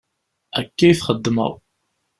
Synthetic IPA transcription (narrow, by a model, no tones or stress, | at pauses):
ækːæjθχəd̪ːmə̰w